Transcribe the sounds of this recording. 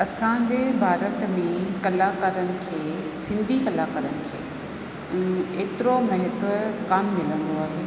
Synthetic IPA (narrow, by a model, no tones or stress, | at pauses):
ɐsãd͡ʑeːbʱaːɾət̪mẽkɐlakaːɾənɪ̆kʰeːsɪ̃nd̪ʱikɐlakaːɾənɪ̆kʰẽː | eːt̪ɪɾomɐɦɪt̪kaːmːɪlə̃nd̪oaːɦeː